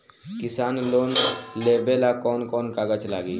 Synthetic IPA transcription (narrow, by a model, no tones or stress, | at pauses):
kisaːnloːnlebelakɔːnkɔːnkaɡət͡ʃla̰ɡi